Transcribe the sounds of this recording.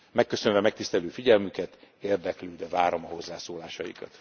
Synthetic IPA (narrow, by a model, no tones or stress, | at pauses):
mɛkːøsø̞nvɛmɛk̚t̪ist̪ɛløːfiɟɛlmykɛt̪eːrd̪ɛkløːd̪ɛvaːɾo̞mɒɦo̞zːaːsoːlaːʃɒjḭkɒ̰t̪